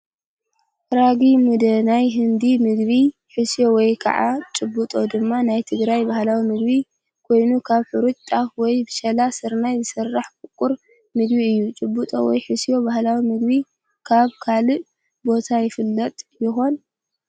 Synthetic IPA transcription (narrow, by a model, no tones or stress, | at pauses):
ɾaɡimud̪ɐnajɦɨnd̪imɨɡβi | ħɨsijo̞wɔjkʰɐ̰ʕa̰t͡ʃʼɨbːut̪ʼo̞d̪ɨmːanajt̪ʰɨɡɾajbahlawimɨɡ̚bi | kʰo̞jnukʰaβħuɾut͡ʃʼt̪ʼafwɔjbɨʃɐlasɨɾnajzɨsɐrːaħkʼʊkʼuɾ | mɨɡbiɨjːut͡ʃʼɨbːut̪ʼo̞̰wɔ̰jħɨsijo̞bahlawimɨɡbi | kʰaβkʰalɨʔ | bo̞t̪ʰajɪfɨlːɐt̪ʼjɪxo̞n